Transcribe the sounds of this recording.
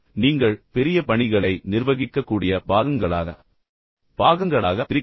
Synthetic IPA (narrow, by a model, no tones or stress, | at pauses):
niːŋɡɐɭpɛɾɪjɐpɐɳɪɣɐɭɐɪnɪɾʋɐɣɪkːɐkːuːɽɪjɐpaːɣɐŋɡɐɭaːɣɐ̰ | baːɣɐŋɡɐɭaːɣɐt̪ɪɾɪ